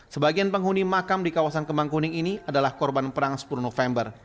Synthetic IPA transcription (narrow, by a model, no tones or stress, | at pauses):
səbaɡianpəŋɦunimakamdikawasankəmaŋkunɪŋiniadalahkɔrbanpəɾaŋsə̥pulunɔfɛmbər